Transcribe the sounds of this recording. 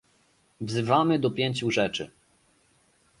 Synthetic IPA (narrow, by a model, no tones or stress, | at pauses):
vzɘvamɘd̪ɔpʲjeɲt͡ɕuʐɛt͡ʂɘ̰